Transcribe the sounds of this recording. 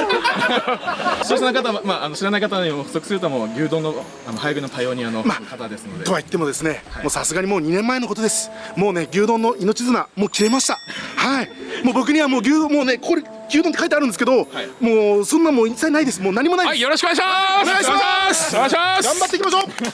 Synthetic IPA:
sosnokat̪aβamaːano̞ɕiɾanaikat̪anɲimoɸɯ̟̥so̞kɯ̥sɨɾɯt̪oamoːɡʲɨːd̪õ̞nːo | ano̞hajiɡinot̪ajo̞ːɲ̟ianomaːkat̪ad̪e̞sɨnodd̪et̪o̞βait̪ːe̞mo̞d̪e̞sɨne̞mo̞ːsasɨɡaɲ̟imo̞ːɲ̟inẽ̞mːae̞no̞ko̞t̪o̞d̪e̞sɨ̥mo̞ːne̞ɡʲɨːd̪õ̞nːo̞ʔino̞t͡ɕizɨmamo̞ːkʲiɾe̞maɕi̥t̪ahaimoːbo̞k̬ɯ̟ɲ̟iβamo̞ːɡʲɨːd̪õmoːne̞kokoɾe | ɡʲɨːd̪ont̪ekait̪eaɾɯ̃nd̪sɨk̬ed̪o̞moːsõnːãmoːisainaid̪e̞sɨmoːnaɲ̟imo̞naijjoɾoɕikonaiɕmaneɡajmaasaɡãmbat̪ːeikʲimaɕo̞ː

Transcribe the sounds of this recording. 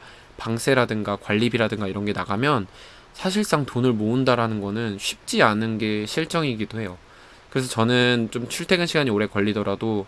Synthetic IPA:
paŋsʰe̞ɾadɯŋɡakwaʎːibiɾadɯŋɡaiɾʌnɡe̞naɡamjʌn | sʰaɕʰiɭs͈aŋtonɯɭmoundaɾanɯnɡʌnɯnɕʰip̚t͡ɕ͈ianɯnɡe̞ɕʰiɭt͡ɕ͈ʌŋiɡidoɦe̞jo | kɯɾe̞sʰʌt͡ɕʌnɯnt͡ɕomt͡ɕʰuɭtʰe̞ɡɯnɕʰiɡaɲioɾe̞kʌʎːidʌɾado

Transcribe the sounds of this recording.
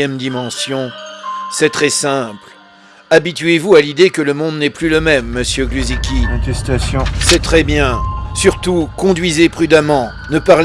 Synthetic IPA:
ɛmd̪imɑ̃sjɔ̃sɛt̪χɛsɛ̃pl | abit̪ɥevualid̪ekələmɔ̃d̪nɛplyləmɛmːəsjøɡlyzikʲĩt̪ɛst̪asjɔ̃sɛt̪χɛbjɛ̃syʁt̪ukɔ̃d̪ɥizepχyd̪amɑ̃ | nəpaʁl

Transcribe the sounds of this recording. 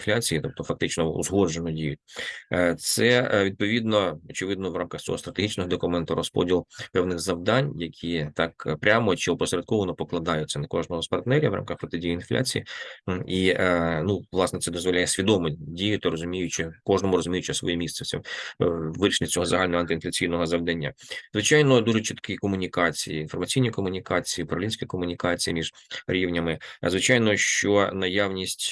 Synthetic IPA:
flʲat͡sʲijit̪ɔp̚t̪ɔfɐk̚t̪ɪt͡ʃnɔṵzɦɔʒenɔdʲijʊt̚ʲ | t̪sɛʋʲid̪̚pɔʋʲid̪nɔɔt͡ʃɪʋɪd̪nɔʋɾɑmkɐxt͡sʲɔ̰ɦɔst̪ɾɐt̪eɦit͡ʃnɔɦɔd̪ɔkʊmɛnt̪ʊɾɔspɔ̰dʲilˠpɛwnɪɣzɐwd̪ɑnʲjɐkʲʰit̪ɑkpɾʲamɔt͡ʃɪɔpɔsɾʲɐd̪̚kɔʋɔnɔpɔklˠɐd̪ɑjʊtʲt͡sʲːɐnɐkɔʒnɔɦɔspɐrt̪nɛɾʲɐʋɾɑ̰mkɐxpɾɔt̪ɪdʲijiːinflʲʔa̰t͡sʲijḭinuʋlˠɑsnɛt̪sɛd̪ɔzʋɔlʲajɛsʲʋʲid̪ɔmɪdʲijʊt̪ɪrɔzʊmʲijʊt͡ʃɪkɔʒnɔmʊɾɔzʊmʲijʊt͡ʃɪsʋɔ̰jimʲist̪ɛsʲɛ̰ | ʋɪɾʲiʃnʲɪtʲt͡sʲɔɦɔzɐɦalʲnɔɦɔɐnt̪ɪinflʲɐt͡sʲijnɔɦɔzɐʋd̪ɐnʲːa̰zʋɪt͡ʃajnɔd̪uʐɛt͡ʃɪt̪kɪkɔmʊnʲikɑt͡sʲijiːnfɔrmɐt͡sʲijnʲikɔmʊnʲikɑt͡sʲijipɐɾɐlʲinʲsʲkʲikɔmʊnʲikɑt͡sʲijimʲiʐ̥ɾʲiʋwnʲɐmɪzʋɪt͡ʃajnɔʃt͡ʃɔnɐjaʋnʲisʲtʲ

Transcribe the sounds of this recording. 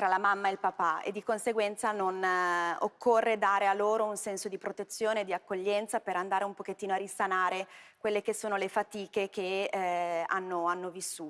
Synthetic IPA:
t̪ɾalamamːaelpapaḛd̪ːikonseɡwɛnt̪sanonokːorːed̪aːɾealːoːɾounsɛnsod̪ipɾot̪et̪sːjoːneːd̪iakːoʎːɛnt̪sapeɾand̪aːɾeumpoket̪ːiːnoarisanaːɾekwelːekesːoːnolefat̪iːkek̟e | a̰nːoanːovisːuː

